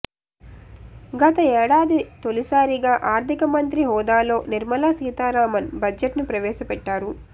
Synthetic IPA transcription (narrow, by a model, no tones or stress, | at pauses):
ɡɐt̪ɐɛːɽaːd̪it̪olisaːɾiɡaːʔaːɾt̪ʰikɐmɐnt̪ɾiɦɔːd̪aːlo̞ːniɾmɐlaːsiːt̪aːɾaːmɐnbɐd͡ʒeʈnupɾɐʋɛːʃɐpɛʈːaːɾu